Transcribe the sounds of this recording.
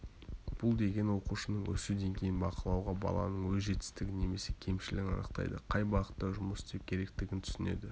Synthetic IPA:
b̥ʊlˠd̪e̞ɡʲe̞nwo̞quʃənəɴwɵ̰sɪd̪e̞ŋkʲʰe̞jɪnbɑqəlˠɑwʁɑbɑ̰lˠɑ̰nəɴwɵzʒe̞t̪ɪ̥st̪ɪɡʲɪne̞me̞se̞kʲʰe̞mʃɪlɪɡʲɪnɑ̰nəqt̪ɑ̰jd̪əqʰɑjbɑʁət̪ːɑʒʊməsɪ̥t̪e̞p̚kʲʰe̞ɾe̞k̚t̪ɪɡʲɪnt̪ʰʏsɪne̞̰d̪ɪ

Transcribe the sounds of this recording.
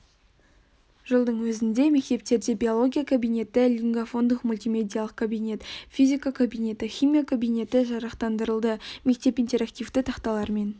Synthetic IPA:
ʒəlˠd̪əɴwɵzɪnd̪e̞me̞k̚t̪e̞p̚t̪e̞ɾd̪e̞bʲio̞lˠo̞ɡʲijakʰobijnʲe̞t̪ɪlʲiŋɡafo̞nd̪əqmulʲt̪ʲimʲe̞d̪ʲijalˠəq̚kʰobijnʲe̞t̪fʲizʲikakʰobijne̞t̪ɪχʲijmʲijakʰobijne̞t̪ɪʒɑɾɑqt̪ɑnd̪əɾəlˠd̪əme̞k̚t̪e̞pint̪e̞ɾakt̪ijft̪ət̪ʰɑqt̪ɑlˠɑɾme̞n

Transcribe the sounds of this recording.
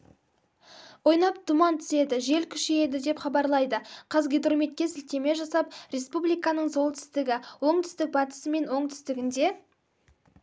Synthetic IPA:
wo̞jnɑp̚t̪ʰʊmɑnt̪ʰʏ̥se̞d̪ɪʒe̞lkʲʰʏ̥ʃeje̞d̪ɪd̪e̞pχɑbɑɾlˠɑjd̪əqʰɑzɡʲed̪romet̪̚kʲe̞sɪlt̪e̞me̞ʒɑsɑpɾe̞spublijkɑnəɴzo̞lˠt̪ʰʏ̥st̪ɪɡʲɪwo̞ɴt̪ʰʏ̥st̪ɪk̚bɑt̪ə̥səme̞nwo̞ɴt̪ʰʏ̥st̪ɪɡʲɪnd̪e̞

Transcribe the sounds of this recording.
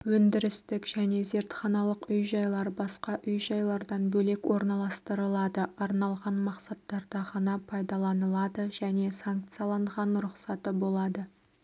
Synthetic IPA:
wɵnd̪ɪɾɪst̪ɪkʒ̥æne̞ze̞ɾt̪χɑnɑlˠəqʏjʒɑjlˠɑɾbɑsqɑʔʏjʒɑjlˠɑɾd̪ɑnbɵle̞kwo̞ɾnɑlˠɑst̪əɾəlˠɑd̪əɑɾnɑlˠʁɑnmɑqsɑt̪ːɑɾd̪ɑʁɑnɑpʰɑjd̪ɑlˠɑnəlˠɑd̪əʒæne̞saŋk̚t̪sɨijɑlˠɑɴʁɑnɾʊqsɑt̪əbo̞lˠɑd̪ə

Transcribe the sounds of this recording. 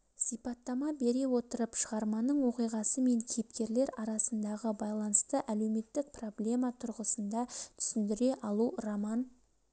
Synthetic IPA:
sijpɑt̪ːɑmɑbe̞ɾe̞wo̞t̪əɾəpʃəʁɑɾmɑnəɴwo̞qijʁɑsəme̞ŋkʲʰejɪpkʲe̞ɾle̞ɾɑɾɑsənd̪ɑʁəbɑjlˠɑnəst̪əʔæle̞wme̞t̪ːɪk̚pro̞blʲe̞mɑt̪ʰʊɾʁəsənd̪ɑt̪ʰʏ̥sɪnd̪ɪɾe̞ʔɑlˠuramɑn

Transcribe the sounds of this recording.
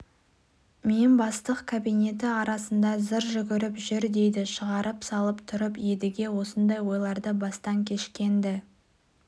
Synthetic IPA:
menbɑst̪əqkʰabijne̞t̪ɪɑɾɑsənd̪ɑzəɾʒʏɡʲɪɾɪpʒʏɾd̪e̞jd̪ɪʃəʁɑɾəpsɑlˠəpt̪ʰʊɾəpjed̪ɪɡʲe̞wo̞sənd̪ɑjwo̞jlˠɑɾd̪əbɑst̪ɑŋkʲʰe̞ʃkʲe̞nd̪ɪ

